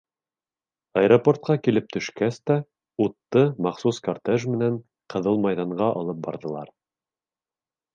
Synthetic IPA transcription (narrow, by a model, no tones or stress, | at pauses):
ɑjɾoport̪̚qɑkilɘp̚t̪ʰɵ̆ʃkæst̪æ | ut̪ːɤmɑqsuskɐrt̪eʒmɘ̆næɴ | qɤ̆ðɤlˠmɑjðɑɴɢɑʔɑ̰lˠɤp̚bɑ̰ɾðɤ̆lˠɑ̰ɾ